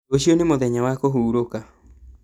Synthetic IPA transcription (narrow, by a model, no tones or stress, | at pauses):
oɕionemoðɛɲawakoɦuːɾoka